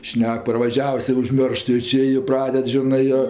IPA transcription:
ˈʃʲnʲɛk pɐrʋɐˈʒʲæːʋʊs ɪr ʊʒʲˈmʲoːrʃt joː ˈt͡ʃʲɪ jɪ ˈprɑːdʲɛt ˈʒʲɪnɜ joː

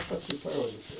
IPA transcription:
pɐsˈkʊɪ pɐˈroːdʲɪsʲʊ

